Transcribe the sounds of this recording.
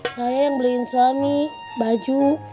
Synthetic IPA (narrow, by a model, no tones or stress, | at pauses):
sajajaŋbəliːnsuami | bad͡ʒu